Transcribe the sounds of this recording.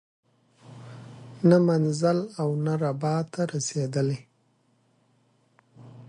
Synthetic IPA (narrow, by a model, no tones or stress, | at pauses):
namanzalawnaɾabɑt̪ʰaɾased̪əle